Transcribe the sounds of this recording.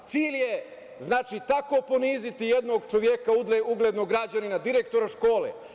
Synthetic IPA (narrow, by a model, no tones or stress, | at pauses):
t̪siːʎje | znaːt͡ʃit̪ako̞po̞niːzit̪ijed̪no̞ɡt͡ʃoʋjekaud̪leuɡled̪no̞ɡɾad͡ʑaninad̪iɾekt̪o̞ɾaʃko̞ːlḛ